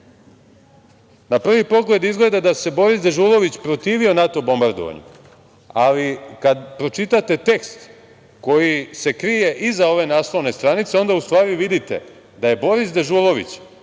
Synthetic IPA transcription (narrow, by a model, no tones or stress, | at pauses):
napr̩ʋipo̞ɡle̞d̪izɡle̞d̪ad̪ase̞bo̞ɾizd̪e̞ʒuːlˠo̞ʋit͡ɕpɾo̞t̪iːʋio̞nat̪o̞bo̞mbaɾd̪o̰ʋa̰ɲṵ | alikad̪pɾo̞t͡ʃit̪at̪e̞t̪e̞kst̪ | ko̞jise̞kɾije̞ʔizao̞ʋe̞naːslˠo̞ʋne̞st̪ɾanit̪se̞o̞nd̪aust̪ʋaːɾiʋid̪it̪e̞̰ | d̪aje̞bo̞ɾisd̪e̞ʒulˠo̞ʋḭt͡ɕ